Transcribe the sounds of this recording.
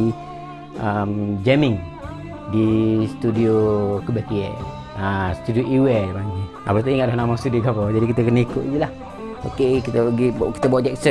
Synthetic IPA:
əmd͡ʒɛmɪŋ | dist̪udiokəbakiɛ̰ʔ | ast̪udioʔiwemaŋi | a̰pət̪̬uiŋaʔdɔhnamast̪udiokapad͡ʒadikit̪əkənikʊʔd͡ʒilah | okekit̪əəɡiki̥t̪əbaaʔd͡ʒɛk̚sə

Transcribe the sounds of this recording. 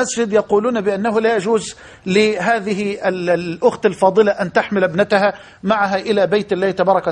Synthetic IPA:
asd͡ʒɪd̪jɑquːluːnbɪʔanːaɦʊlajad͡ʒuːz | lɪɦaːðɪɦɪʔɪlʔʊxt̪alfɑːd̪ˤɨlaʔant̪aħmɪlʔbnɪt̪aɦa | maʕaɦaʔɪlabejt̪ʔɪlːaːɪt̪abɑːɾˤɑka

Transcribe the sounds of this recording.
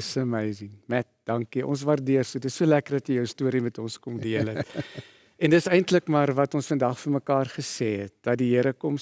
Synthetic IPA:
səmɛjziŋmɛt̚d̥ɐŋkiʔɔ̰ns̬vɐrdiərsudəsuəlækərdɐtjəjəwstuəɾimɛtɔnskɔmdiələt | ɛndəsɛjntləkmɑːrvɐtɔnsfəndɑχfərməkɑːrχəsɛːɦɛt̚d̥ɐt̚diɦiəɾəkɔm

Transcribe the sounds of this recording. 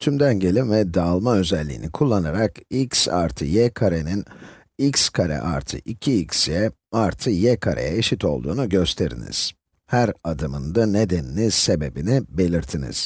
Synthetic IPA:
t̪ʰymd̪ænɟe̞lʲinvɛd̪aːlˠmaø̞zɛlʲːḭːnikʰulˠːanaɾakiksa̰ɾt̪ʰɯjɛkʰaɾenin | ikskʰaɾɛ̰ʔa̰ɾt̪ʰɯ̰ʔicʰiicsjɛ | aɾt̪ʰɯjɛkʰaɾʔḛjɛeʃit̪o̞̰lˠd̪uːnuɟø̞st̪ʰe̞ɾḭnḭz̥ | hæɾad̪ɯmɯnd̪ane̞d̪enilʲise̞be̞binibe̞lʲiɾt̪ʰinḭz̥

